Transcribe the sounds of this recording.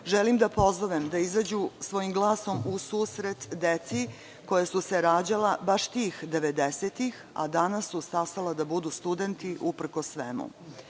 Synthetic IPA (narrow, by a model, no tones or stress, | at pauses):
ʒelimd̪apo̞zoʋemd̪aizad͡ʑusʋo̞jimɡlˠaːso̞musuːsɾe̞t̪d̪et̪si | ko̞jasuseɾaːd͡ʑalabaʃt̪iːxd̪e̞ʋed̪eset̪ix | a̰d̪anasːusast̪alad̪abud̪ust̪ud̪e̞nt̪iʔupr̩kosːʋemṵ